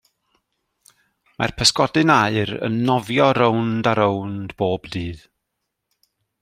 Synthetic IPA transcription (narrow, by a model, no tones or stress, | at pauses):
ma̰rpʰəskɔdɨnaɨɾə̰nːɔvjɔɾowndaɾowndb̥oːbdiːð